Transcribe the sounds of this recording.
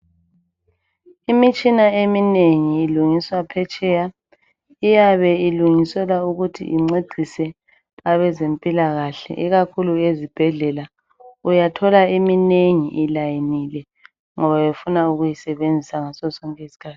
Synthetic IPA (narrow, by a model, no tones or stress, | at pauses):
imit͡ʃʼinaemineŋiːluŋiswapʰɛt͡ʃʼɛja | ijaβɛiluŋisɛlauɣutʰḭʔiŋ͡ǀeɡ͡ǀʱisɛ | aβɛzempʼilaɣaɬɛ̰ʔiɣakʰuluezib̥ʱɛɮɛla | ujatʰɔlaimineŋiʔilajinilɛ | ŋɔβawefunauɣujisɛβend͡zʱisaŋasɔsɔŋkʼɛisi̥kʰaːtʰi̥